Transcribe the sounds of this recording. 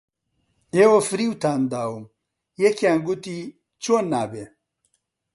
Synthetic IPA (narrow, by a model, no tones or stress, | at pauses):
ewofɾiwt̪ʰaːnd̪aːwum | jekjaːŋɡut̪i | t͡ɕunːaːbe